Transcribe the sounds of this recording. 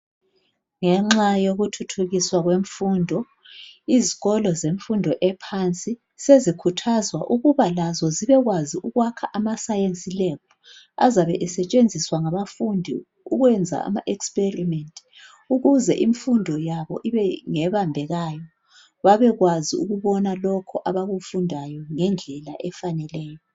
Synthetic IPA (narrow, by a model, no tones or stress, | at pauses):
ŋɛŋ͡ǁajoɣutʰutʰuɣiswaɣweɱfundʱɔ | iziɣɔlɔzeɱfundʱɔʔɛpʰant͡sʼi | sezikʰutʰazwa̰ʔuɣuβalazɔziβɛɣwaziʔuɣwakʰaʔamasajent͡sʼilɛpʰɔ | a̰zaβɛʔɛsɛt͡ʃʼend͡zʱiswaŋaβafundʱi | uɣwɛnd͡zʱa̰a̰maʔɛkspʼerimɛntʼi | uɣuzɛʔiɱfundʱɔjaβɔʔiβɛŋɛβambʱɛɣajɔ | βaβɛɣwaziuɣuβɔnalɔkʰɔʔaβaɣufundʱajɔŋɛnd͡ɮʱɛlaʔɛfanɛlɛːjɔ